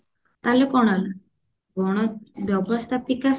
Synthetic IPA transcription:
t̪alekɔɽ̃al | ɡʱɔɽ̃ɔʋjəʋəst̪ʰapikas

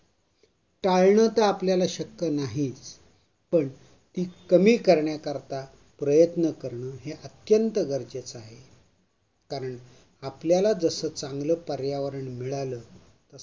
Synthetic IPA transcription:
ʈaɭɳət̪əapljalaɕəkːjənaɦiːt͡s | pəɳ | t̪iːkəmiːkəɾɳjakəɾt̪a | pɾəjət̪nəkəɾɳəːɦeʔət̪jənt̪əɡəɾd͡ʑet͡saɦe | kaɾəɳ | apljalad͡zəsəːt͡saŋɡləːpəɾjaʋəɾəɳmiɭaləː | t̪ə

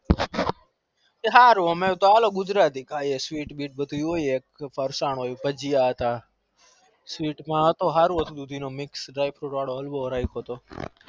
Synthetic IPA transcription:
eɦaːɾuːəmẽːt̪oaːloːɡʊd͡ʒɾaːt̪iːkʰaːieːsʋiːʈɓiːʈ̚ɓət̪uːjoːjeːkpəɾsaːɳoːjuːpəd͡ʒijaːɦət̪aː | sʋiːʈmãːət̪oːɦaːɾũːɦət̪ʰuːd̪uːd̪ʱiːnoːmɪksɖɾaːipʰɾuːʈʋaːɽoːəlɓoːɾaːikʰoːt̪oː

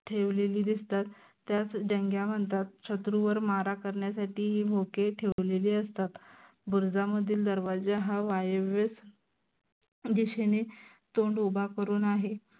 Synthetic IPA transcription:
ʈʰeʋleliːd̪ist̪at̪ː | jat͡sd͡ʑəŋɡjaməɳt̪at̪̚ɕət̪ɾuʋəɾmaɾakəɾɳjasaʈiːɦiːbʱokeʈʰeʋleliːəst̪at̪ | buɾd͡zaməd̪ʱiːld̪əɾʋad͡zaɦaʋajeʋes | d̪iɕene | t̪oɳɖubʱakəɾuːnaɦe

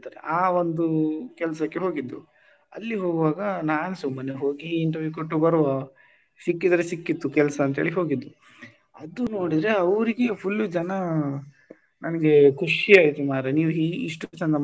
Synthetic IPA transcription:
t̪aːɾḛaːʋond̪ukɛlɐsɐkːeɦo̞ːɡid̪ːu | ɐ̰lːiɦoːɡʋaːɡɐnaːnɐsumːɐneɦo̞ːɡiːɳʈɐɾʋjukoʈːubɐɾɔ | sikːid̪ɐɾesikːit̪ːukɛlɐsɐːnt̪ɐɦeːɭiɦo̞ːɡid̪ːu | ɐd̪uno̞ːɽid̪ɐɾeɐʋɾiɡe̞pʰulːud͡ʒɐnɐ | nɐnɐɡe̞kʰuʂiaːjit̪umaːɾeniːʋuiiʂʈukɛsɐnd̪ɐ

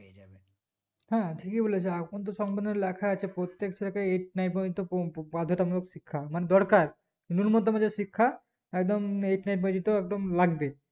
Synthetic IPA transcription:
hɛ̃ʈʰikibolet͡ɕʰeakʰont̪̬oʃɔŋbad̪neɾlɛkʰaat͡ɕʰepɾot̪ːekt͡ɕʰɔɾakaeʈ̚najpod͡ʑit̪opbad̪ʱoʈamulokʃikʰːamaned̪ɔɾkaɾ | nunmot̪omad͡ʑeʃikʰːa | ɛkd̪omeʈnajp̬õd͡ʑit̪oɛk̚d̪omlaɡbe

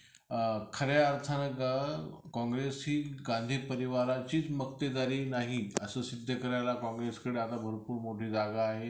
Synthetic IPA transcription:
kʰəɾjaɾt̪ʰanəkakɔ̃ŋɡɾesɦiːɡãnd̪ʱiːpəɾiʋaɾat͡ɕiːt͡sməkt̪ed̪aɾiːnaɦiəsəːsid̪ʱjəkəɾjalakɔ̃ŋɡɾeskəɽeat̪abʱəɾpuːɾmoʈʰiːd͡zaɡaːɦe

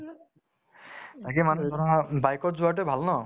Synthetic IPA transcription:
t̪akemanut̪ɔɾabajkɔʈ̚zuaʈ̬ebʱalnɔ

